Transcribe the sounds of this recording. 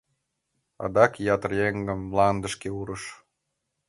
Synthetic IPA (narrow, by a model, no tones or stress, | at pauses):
ɑ̰d̪ɑkjɑt̪ərjeŋɡəmlˠɑnd̪ə̆ʃkeuɾəʃ